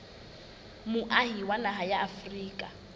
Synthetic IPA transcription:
mʊʔaɦiwanaɦajaːfriːkʼa

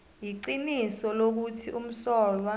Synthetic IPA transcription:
jiǀinisɔlok̬utʰiʔum̩sɔːlwa

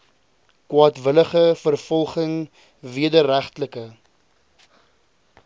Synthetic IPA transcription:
kwɑːtvələχəfərfɔlˠχəŋ | viədəɾæχtləkə

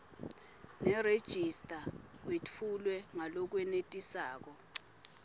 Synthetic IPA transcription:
nɛred̥ʒ̥ʱistʼa | k̬wet͡fʰulwɛŋalɔk̬wɛnetʼisaːk̬ɔ

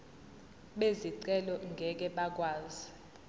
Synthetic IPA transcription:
ɓeziǀɛlɔŋɡʱɛk̬ɛɓak̬ʼwaːzi

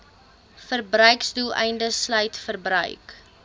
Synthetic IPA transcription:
fərbrœɥksdulˠɛ̰jndəslœɥtfərbrœ̰ɥk

